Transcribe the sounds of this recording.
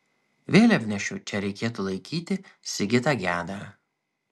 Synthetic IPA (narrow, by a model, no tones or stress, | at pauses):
ʋʲeːlʲɐpʲnʲɛʃʲʊt͡ʃʲɛɾʲɛɪkʲeːt̪ʊlˠɐɪkʲiːt̪ʲɪsʲɪɡʲɪt̪aɡʲæːd̪a